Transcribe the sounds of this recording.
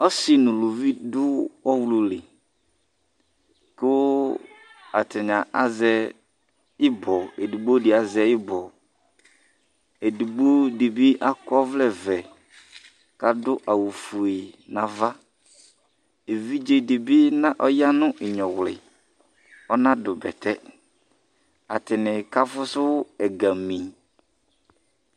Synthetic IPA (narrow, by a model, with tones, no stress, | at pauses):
ɔ˦sɪ˦nʊ̃˨lo˨vi˦dʊ˦ɔ˦wlu˨lɪ˨ | kɪ˦ | a˨tɪ˨ɲã˨ʔa˦zɛ˨ | ɪ˦bɔ˨e˨du˨ɡ͡bo˦dɪ˨a˨zɛ˨ɪ˦bɔ˨ | e˨du˨ɡ͡bo˦di˨bi˦ʔa˦kɔ˦vlɛ˨vɛ˨ | ka˨dʊ˦ʔa˨wu˨fu˨e˨nã˨va˦ | e˨vi˦d͡ʒe˨di˨bi˦nã˦ʔɔ˦ja˦nʊ̃˦ʔɪ˨ɲɔ̃˨wlɪ̰˨ | ɔ˦nã˦dʊ˨bɛ̰˨t̪ʰɛ˦ | a˨tɪ˨nɪ̃˨ka˦fʊ˦sʊ˦ɛ˨ɡa˨mĩ˨